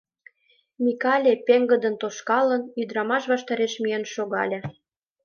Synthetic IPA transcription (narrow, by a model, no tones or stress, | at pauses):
mʲikɑlʲepeŋɡə̆d̪ə̆nt̪oʃkɑlə̆nyd̪ɾɑmɑʃβɑʃt̪ɑɾeʃmijenʃoɣɑlʲĕ